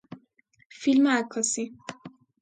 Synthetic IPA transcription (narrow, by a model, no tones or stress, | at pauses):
filmɛakʰːɒsi